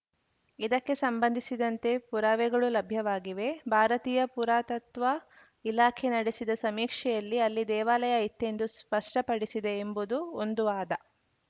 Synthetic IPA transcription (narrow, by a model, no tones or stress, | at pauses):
id̪ɐkːe̞sɐmbɐnd̪ʱisid̪ɐnt̪e̞puɾaːʋɛɡɐɭulɐbʱjɐʋaːɡiʋe̞bʱaːɾɐt̪iːjɐpuɾaːt̪ɐt̪ʋɐ | ilaːkʰenɐɽesid̪ɐsɐmiːkʂɛjɐlːiɐlːid̪ɛːʋaːlɐjɐit̪ːe̞nd̪uspɐʂʈɐpɐɽisid̪e̞ːmbud̪uond̪uʋaːd̪ɐ